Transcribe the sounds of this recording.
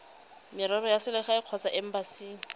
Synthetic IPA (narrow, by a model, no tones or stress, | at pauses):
mɪɾɔrɔjasɪlɪχaɪq͡χʰɔt͡saʔɛm̩basiː